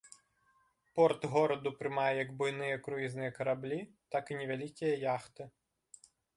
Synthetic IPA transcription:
pɔrt̪ɣɔɾɐd̪upɾɨmajɛjɐɡbʊjnɨjɛkɾʊjiznɨjɛkɐɾablʲit̪akinʲɛvʲalʲikʲijɐjaxt̪ɨ

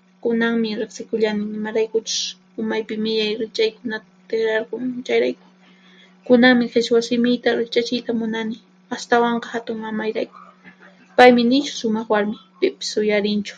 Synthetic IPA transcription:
kʊnaŋmɪɾɪχsɪkʊʎanɪnɪmaɾajkʊt͡ʃʊ̥s | ʊmajpɪmɪʎajɾɪt͡ʃajkʊnat̪ḁt̪exɾɑɾqʊŋt͡ʃajɾajkʊ̥ | kʊnaŋmɪqɪswasɪmɪjt̪aɾɪt͡ʃat͡ʃɪjt̪amʊnanɪ | ast̪awɑɴqɑ̥hat̪ʊŋmamajɾajkʊ̥ | pajmɪnɪt͡ʃʊ̥ʃʊmɑχwaɾmɪ | pɪpɪ̥sʊjaɾɪnt͡ʃʊ̥

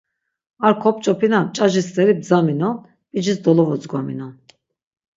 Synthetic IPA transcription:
aɾkʰɔpt͡ʃʼɔpʰinat͡ʃʼaʒist̪ʼɛɾib̚zaminɔn | pʼid͡ʒisd̪ɔlɔvɔzɡwamḭnɔn

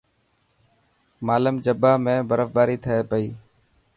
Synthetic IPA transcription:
maːləmd͡ʒəbaːmẽːbəɾəfb̪aːɾiːt̪ʰəeːpəiː

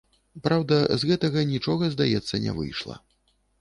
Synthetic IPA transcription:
pɾawd̪ɐzɣɛt̪ɐɣɐnʲit͡ʂɔɣɐzd̪ajɛt̪sːɐnʲɛ̰vɨ̰jʂlˠɐ̰

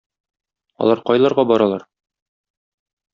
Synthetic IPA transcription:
ɒ̰lˠɑɾqɒjlˠɑɾʁɑbɒɾɑlˠɑɾ

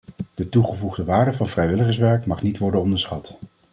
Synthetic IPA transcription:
d̥ətuχəvuχdəʋaːɹdəvɑnvrɛjʋɪləχəs̬ʋɛɹkmɑχnitʋɔɹdənɔndəɹsχɑt

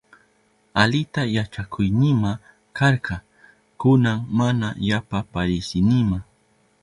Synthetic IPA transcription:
alɪt̪ajat͡ʃakʰʊjnɪma | kɑɾqɑ | kʊnaŋmanajapapaɾɪsɪnɪma

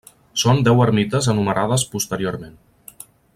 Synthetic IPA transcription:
sond̪ɛwəɾmit̪əzənuməɾʔaðəspust̪əɾioɾmen

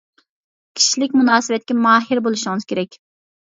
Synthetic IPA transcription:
kʲʰi̥ʃilɪkʲmunɑːsɪwɛt̪̚kʲɛmɑːɦɪɾbolˠuʃɪŋɨz̥kʲʰeɾɛkʲ

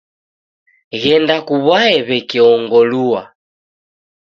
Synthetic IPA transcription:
ɣɛndakuβwaɛβɛkɛɔŋɡɔlua

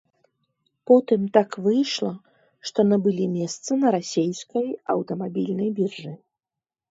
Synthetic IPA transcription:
pɔt̪ɨmt̪akvɨjʂlˠɐ | ʂt̪ɔnɐbɨlʲimʲɛst̪sɐnɐɾasʲejskɐjɐ̰wt̪ɐmabʲilʲnɐjbʲirʐɨ

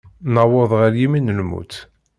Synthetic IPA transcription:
nawəðˤʁəɾjiminəlmṵt̪

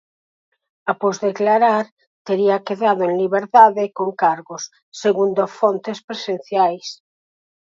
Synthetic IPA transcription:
apozðeklaɾaɾ | t̪eɾiakeðaðoẽnliβeɾt̪aðekoŋkaɾɣosː | eɣund̪ofont̪espɾesen̟θjajs

